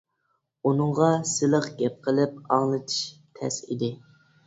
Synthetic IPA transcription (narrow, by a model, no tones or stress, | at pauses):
unɨŋʁɑsɨlˠəqɡʲɛp̚qʰəlˠɨp̚ɑŋlˠɨt̪ʰɨ̥ʃ | t̪ʰɛsḭd̪ɪ